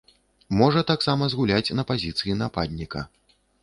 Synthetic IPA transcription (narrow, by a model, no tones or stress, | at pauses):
mɔʐɐt̪aksamɐzɣulʲat͡sʲnɐpazʲit̪sɨjinapa̰d̪ʲnʲikɐ̰